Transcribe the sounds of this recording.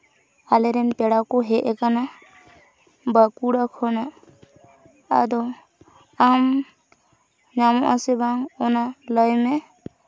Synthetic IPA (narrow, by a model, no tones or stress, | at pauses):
alɛɾɛnpɛɽakɔɦɛʔɛkana | bakuɽakʰɔna | d̪ɔ | am | ɲamɔʔasɛbaŋɔnalɔjmɛ